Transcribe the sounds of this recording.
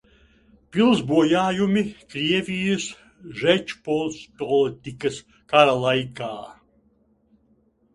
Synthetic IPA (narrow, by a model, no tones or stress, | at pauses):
pʲilˠzbuɔjaːjumikɾiɛvʲijɨs | ʒɛt͡ʃpɔlˠspɔlit̪ʲikɐs | kaɾalˠajkaː